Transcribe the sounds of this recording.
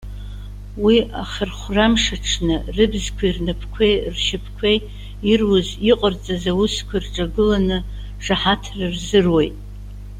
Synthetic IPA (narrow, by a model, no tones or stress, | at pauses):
wiʔaχʲɪrχʷramʂaʈ͡ʂʰnɨrɨbzkʷʰairnɨpʰkʷʰejrʃɪpʰkʷʰej | irwʊziqʼərt͡sʼazawuskʷʰarʈ͡ʂʼaɡɨlanɨ | ʂaħatʰrɨrzɨrwe̞jtʼ